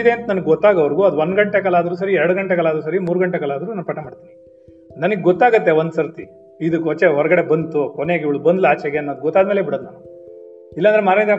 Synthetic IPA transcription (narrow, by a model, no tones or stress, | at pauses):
id̪e̞ːnt̪ɐnɐnɐɡeɡɔt̪ːaːɡɐʋɐɾɡuɐd̪uʋond̪ɡɐɳʈekɐlaːd̪ɐɾuːs̬ɐɾiɛɾɽuɡɐɳʈekɐlaːd̪ɾuːs̬ɐɾimuːɾɡɐɳʈekɐlaːd̪ɐɾunanupɐʈːɐmaːɖt̪ini | nɐnɐɡeɡɔt̪ːaːɡɐt̪ːeʋɐnd̪sɐɾt̪i | id̪ukːɦɔt͡ʃːeɦɔɾɐɡɐɽe̞bɐnd̪t̪ukɔneɡiʋɐɭbɐnd̪laːt͡ʃɛɡenːɐd̪ɡɔt̪ːaːd̪meːlebiɽɐd̪naːnu | ilːɐnd̪ɾemaːɾɐd̪